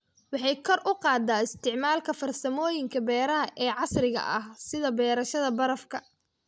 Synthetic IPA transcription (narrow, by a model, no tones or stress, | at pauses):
wɑħɑjkʰɔrʔʊqɑːd̪aːɪst̪ʰɪʕmaːlkʰɐfɐrsɐmɔːjɪŋkʰɐbɛːɾɐɦɐʔɛːʕɑsrɪɣɐ̰ʔɐhsɪðɐbɛːɾɐʃɐðɐbɐɾɐfkʰɐ